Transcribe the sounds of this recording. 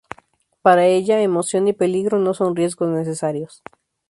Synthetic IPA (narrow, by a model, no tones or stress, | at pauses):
paɾae̞ʎaemo̞sjo̞nipe̞liɣɾo̞no̞so̞nrje̞zɡo̞zne̞s̬e̞saɾjo̞s